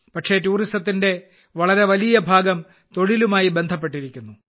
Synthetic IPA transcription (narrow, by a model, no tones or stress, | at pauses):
pɐʈʂe̞tuːristɐt̪ːinde̞ | ʋɐɭɐɾe̞ʋɐlijɐbʱaːɡɐm | t̪o̞ɻilumaːjibe̞nd̪ʱɐp̬ːe̞ʈːiɾikʲːunːu